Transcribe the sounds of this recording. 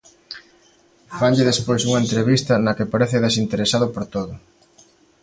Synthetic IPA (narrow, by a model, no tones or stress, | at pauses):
faɲʎeðespojsuŋɐent̪ɾeβist̪ɐnɐkepaɾeθɪðesint̪eɾesaðʊpoɾt̪oðʊ